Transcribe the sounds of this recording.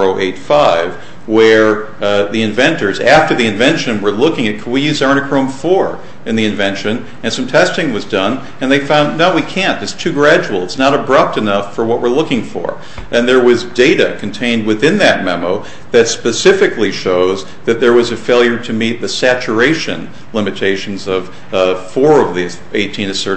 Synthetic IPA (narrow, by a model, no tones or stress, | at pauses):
oʊʔeɪtfaɪv | wə˞ | ðiɨ̃ɱvɛ̃ntə˞zæftə˞ðiɨ̃ɱvɛ̃nʃɨ̃nwə˞lʊkɪ̃ŋɨt̚kʰʌwijʉzɑɹnɨkʰɹ̥õʊ̃ɱfɔɹ | ɨ̃nðiɨ̃ɱvɛ̃nʃɨ̃n | ɨ̃nsʌ̃mtʰɛstɪ̃ŋwʌzdʌ̃n | ɨ̃nðeɪfãʊ̃ndːaʊwikʰæ̃ntɨtstʰʉɡɹæd͡ʒul̩ˠətsnəɾəbɹʌp̚tɨnʌfə˞wʌʔ̚wə˞lʊkɪ̃ŋfə̰˞ | ʔɨ̃nðə˞wʌzdeɪɾɨkʰn̩tʰẽɪ̃nd̚wɨθɪ̃nðɨt̚mɛmoʊ | ðɨtspɨsɪfɨkliʃoʊz | ðɨt̪̚ðə˞wʌzɨfeɪlˠjə˞ɾɨmit̪̚ðɨsæt͡ʃə˞eɪʃɨ̰̃n | lɪ̃mɨtʰeɪʃn̩zʌv̥ | fɔɹʌvði | eɪtʰĩnɨθɜ˞ɾ